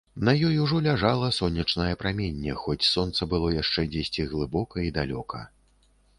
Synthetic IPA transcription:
nɐjɔjuʐɔlʲaʐalˠɐsɔnʲːɐt͡ʂnɐjɛpɾamʲenʲːɛxɔt͡sʲsɔnt̪sɐbɨlˠɔjaʂt͡ʂɛd͡zʲesʲt͡sʲiɣlˠɨbɔkɐid̪alʲɔkʰɐ̰

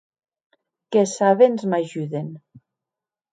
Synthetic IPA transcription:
kesaβenzmaʒuðen

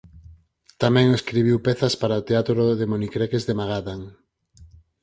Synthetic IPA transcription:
t̪amɛ̃ŋeskɾiβ̞iwpɛθɐspaɾaot̪eat̪ɾoðemonikɾekezðemaɣaðaŋ

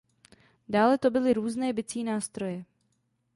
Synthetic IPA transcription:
daːlɛt̪o̞bɪlɪɾuːznɛːbɪt͡siːnaːst̪ɾo̞jɛ

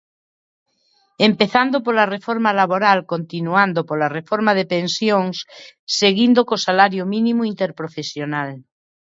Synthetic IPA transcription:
empeθand̪opolarefoɾmalaβoɾalkont̪inuand̪opolarefoɾmaðepensjoŋsːeɣind̪okosalaɾjomĩnĩmoint̪eɾpɾofesjonal

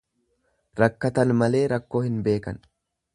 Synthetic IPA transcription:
ɾɐkːɐt̪ɐnmɐle̞ːɾɐkːo̞ːhɪnbe̞ːkɐ̰n

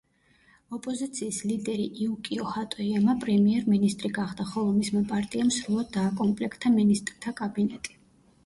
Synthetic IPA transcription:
ɔpʼɔzit̪sʰiːslid̪ɛɾḭʔiukʼiɔhat̪ʼɔiamapʼɾɛmiɛɾminist̪ʼɾiɡaχd̪̥aχɔlˠɔmismɛpʼaɾt̪ʼiamsɾulˠad̪̚ːaːkʼɔmpʼlɛkʰt̪ʰaminist̪ʼɾt̪ʰakʼabinɛt̪ʼi̥

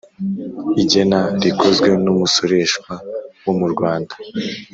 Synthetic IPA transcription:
iɟe̞naɾikʰozɡwe̞numusoɾe̞ʃkwawomuɾɡwaːndḁ

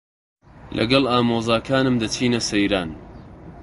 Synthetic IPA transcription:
lʔɐ̰ɡɐlˠaːmoːzaːkʰaːnɨmd̪ɐt͡ʃʰiːnɐsɐjɾaːn

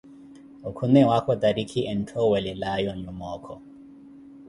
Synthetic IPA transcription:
ɔkʰunɛwakʰɔd̪aɾikʰiʔɛn̩tʰɔwɛlɛlajɔɲumɔkʰɔ

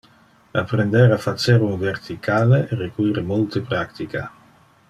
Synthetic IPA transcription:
apɾend̪ɛɾafat͡ʃːeɾunvert̪ʰikʰaːleerekuiɾemolt̪epɾakt̪ika̰

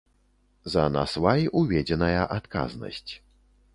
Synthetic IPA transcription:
zɐna̰svajʔuvʲɛd͡zʲɛnɐjɐʔat̪ka̰znɐ̰sʲt͡sʲ

